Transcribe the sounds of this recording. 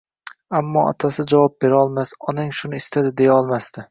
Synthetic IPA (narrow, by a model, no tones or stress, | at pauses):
amːɒ̰ɒ̰t̪ʰasɪd͡ʒavɒp̚be̞ɾɪɒlˠmasɒnaŋʃʊnɪɪst̪ʰad̪ɪd̪e̞jaɒlˠmast̪ɪ